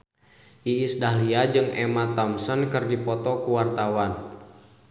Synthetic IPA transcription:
ʔiːsdaɦliad͡ʒɨŋɛmat̪ɔmsənkɨrdipɔt̪ɔkuwart̪awan

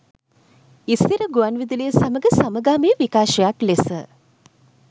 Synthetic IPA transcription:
ist̪iɾəɡuanʋid̪iləjəsaməɡəsaməɡaːmeːʋikaːʃəjaklesə̰

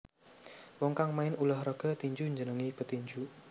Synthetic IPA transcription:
wɔŋkaŋmaɪnulɔhɾɔɡ̥ə̤t̪iɲd͡ʒuɲd͡ʒənəŋipət̪iɲd͡ʒu

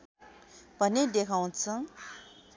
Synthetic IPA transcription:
pʌned̪ekʰaw̃t͡sʰʌ

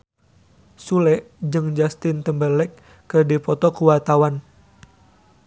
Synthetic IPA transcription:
sulɛʔ | d͡ʒɨŋd͡ʒast̪ɪnt̪əmbəlɛkː | ɨrdipɔt̪ɔkuwart̪awan

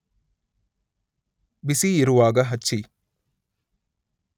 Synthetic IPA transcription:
bisiiɾuʋaːɡɐɦɐt͡ʃːt͡ʃːi

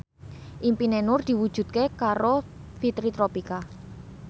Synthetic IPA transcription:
ʔimpinenʊrd̪̥i̤wud̥ʒ̥ṳt̪̚kekaɾofit̪ɾit̪ɾopika

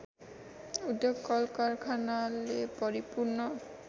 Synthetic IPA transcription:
udɔɡɔlkaɹkʰanalepɔɹipuɹnɔ

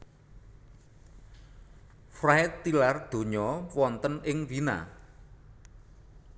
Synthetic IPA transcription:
fraɪt̪ːilard̪̥o̤ɲɔwɔnt̪ənɪŋvina̰

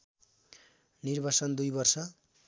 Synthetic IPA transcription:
nirbʱat͡sʌnd̪ujbʌrsʌ

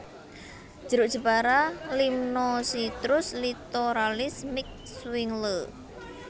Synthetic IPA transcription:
ʒ̥əɾʊʔʒ̥ə̤paɾalimnɔsit̪ɾʊslit̪oɾalɪsmɪk̚ | swɪŋlə

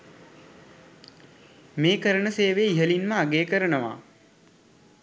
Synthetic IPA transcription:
meːkəɾəɳəseːʋeːiɦəlinməaɡeːkəɾənəʋa̰ː

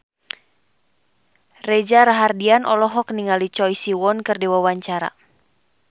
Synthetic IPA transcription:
rɛd͡ʒaɾaɦardianʔɔlɔɦɔk̚niŋalit͡ʃɔjsiwɔnkɨrdiwawaɲt͡ʃaɾa̰

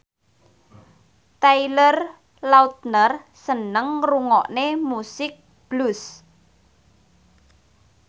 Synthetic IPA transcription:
t̪ajlər | lawt̪̚nərsənəŋruŋɔʔnemusɪk̚ | b̥lus

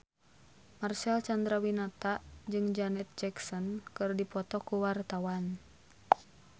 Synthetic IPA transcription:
marsɛlt͡ʃand̪ɾawinat̪aʔd͡ʒɨŋd͡ʒanɛt̪̚d͡ʒɛksɔnkɨrdipɔt̪ɔkuwart̪awan

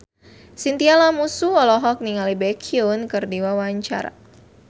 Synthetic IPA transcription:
sint̪ialamusuɔlɔɦɔk̚niŋalibɛkʰiunkɨrdiwawaɲt͡ʃa̰ɾa̰

